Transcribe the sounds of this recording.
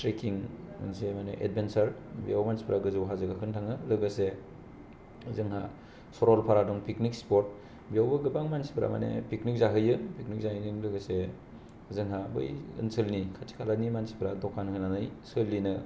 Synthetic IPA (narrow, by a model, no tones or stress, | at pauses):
tɾekʰiŋ̰nsemanḛʔḛd̚bensaɾbḭjawmansi̥pʰɾaɡɯzɯwɦazɯɡakʰɯntʰaŋɯlɯɡɯse | zɯŋɦa | sɔɾɔlpʰaɾadɔŋpʰiknik̚spɔɾt̚ | bijawbɯɡɯbaŋmansi̥pʰɾa̰ma̰nḛpiknik̚zaɦɯjɯpʰiknik̚zahɯjniŋlɯɡɯse | zɯŋɦabɯ̰jɯ̰nsɯlnikʰatʰi̥kʰalanimansi̥pʰɾadɔkʰanhɯnanɯjsɯlːinɯ